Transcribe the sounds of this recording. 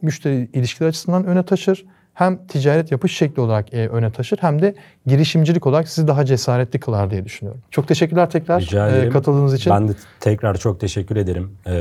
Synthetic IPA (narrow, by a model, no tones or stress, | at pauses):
myʃt̪ʰeɾiːlʲiʃcʰilʲæɾat͡ʃʰɯ̥sɯnd̪anø̞nɛt̪ʰaʃɯɾ̥ | hæmt̪ʰid͡ʒaːɾɛt̪ʰjapɯʃʃɛclʲiolˠaɾakːʔø̞nɛt̪ʰaʃɯɾ̥hæmd̪ɛ | ɟiɾiʃimd͡ʒilʲicʰo̞lˠaɾaksizid̪aɦad͡ʒesaːɾɛt̪lʲikʰɯlˠaɾd̪ijɛd̪yʃynyjo̰ɾumt͡ʃʰo̞k̚t̪ʰe̞ʃɛc̬ːyɾlʲæɾt̪ʰɛcɾaɾakʰat̪ʰɯlˠd̪ɯːnɯzit͡ʃʰinbænd̪ɛt̪ʰɛcɾaɾt͡ʃʰok̚t̪ʰeʃɛcʰːyɾe̞d̪eɾim